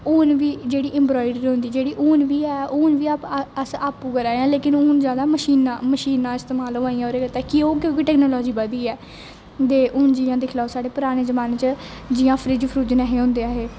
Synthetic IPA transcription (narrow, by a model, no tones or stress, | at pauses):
ʊːnʋiːd͡ʒeːɽiːʔɛ̃mbɾɔːɪɖəɾɦʊ̃nd̪iːd͡ʒeːɽiːʔuːnʋiːɛːoːnʋiːaːpəsaːpũːkəɾaːeãːleːkɪnʊːnzjaːd̪aːməʃiːnãːməʃiːnãːɪst̪eːmaːloːaːĩãoːɾeːɡət̪ɛːkɪoːk̬jõːkiʈɛːknoːlɔːd͡ʒiːbəd̪iːɛː | d̪eːʔʊːnd͡ʒijãːd̪ekʰlaːosaːɽeːpʊɾaːñeːzəmaːneːt͡ʃəd͡ʒiːãːpʰɾid͡ʒpʰɾuːd͡ʒnɛːɦeːɦõːnd̪eːaːɦeː